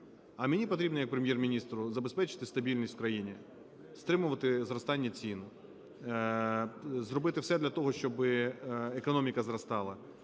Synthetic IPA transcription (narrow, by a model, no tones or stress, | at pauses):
ɐmʲenʲipɔt̪ɾʲibnɔjɐk̚pɾemjɛrmʲinʲist̪ɾʊzɐbespɛt͡ʃɪ̥t̪ɪst̪ɐbʲilʲnʲisʲt̪ʲwkɾɐjinʲi | st̪ɾɪmʊʋɐt̪ɪzrɔst̪ɑnʲːɐt͡sʲinʊ | zrɔbɪt̪ɪwsɛd̪lʲɐt̪ɔɦɔʃt͡ʃɔbɪekɔnɔmʲikɐzrɐst̪ɑlˠɐ